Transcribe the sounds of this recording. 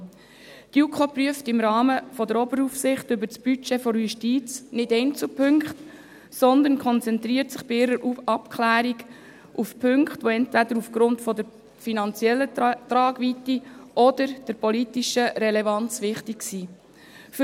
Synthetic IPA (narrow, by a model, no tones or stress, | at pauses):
tjukʰopryəftɪmɾɑːməfɔdəɾɔbəɾufsɪχtʏbəɾt͡sb̥yt͡ʃefɔɾjuʃtiːt͡snɪdɛɪnt͡supʰʏŋkχt | sɔnd̪ənkʰχɔnt͡sɛnt̪ɾiəɾtsɪχb̥ɪɪɾəɾɑpkʰlæːɾiɡ | ʔufpʰʏŋkχtʋoɛntvæd̪əɾufɡ̥ɾʊntfɔd̪əɾ | finɑnt͡sjɛlːətrɑːɡʋitiɔd̥əɾd̥əɾpɔlitiʃəɾɛlɛvɑnt͡sʋɪχtiksiː | f